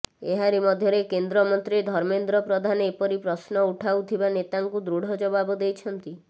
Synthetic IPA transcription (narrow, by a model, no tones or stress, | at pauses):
eɦaɾimɔd̪ʱjɔɾekend̪ɾɔmɔnt̪ɾid̪ʱɔɾmend̪ɾɔpɾɔd̪ʱanepɔɾipɾɔsnɔuʈʰawt̪ʰibanet̪aŋkud̪ɾuɽ̤ɔd͡ʒɔbabɔd̪ejt͡ʃʰɔnt̪i